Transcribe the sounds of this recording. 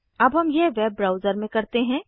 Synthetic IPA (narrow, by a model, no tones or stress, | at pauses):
ɐbʱɦɐmjeʋeːbːɾaːʊzəɾmẽkɐɾt̪eɦɛ̃ː